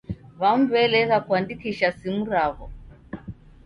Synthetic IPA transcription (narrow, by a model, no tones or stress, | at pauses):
βam̩βɛlɛɣakuandikiʃasimuɾaβɔ